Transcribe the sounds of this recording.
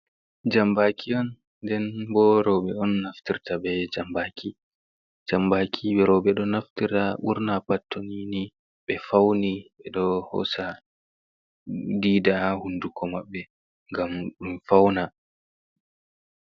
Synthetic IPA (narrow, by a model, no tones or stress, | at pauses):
d͡ʒambakʰiɔn | dɛnbɔɾɔɓɛɔnːaftiɾtabɛd͡ʒambaːkʰi | d͡ʒambaːkʰiɓɛɾɔɓɛɗɔnaftiɾtaʔṵɾnapatːonini | ɓɛfawniɓɛɗɔhɔ̰sa | diːdahundukɔmaɓːɛ | ŋɡamɗunfawna